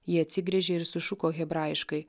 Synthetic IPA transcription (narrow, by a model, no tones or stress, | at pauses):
jiːɐt̪ʲsʲɪɡɾʲɛʒʲeːɪɾsʊʃʊkoːɣʲɛbɾɑːɪɪʃkɐɪ